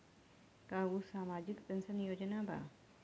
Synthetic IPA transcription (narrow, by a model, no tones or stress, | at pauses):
kaːʋusaːmaːd͡ʒikd̪ənsɐnjoːd͡ʒənaːba̰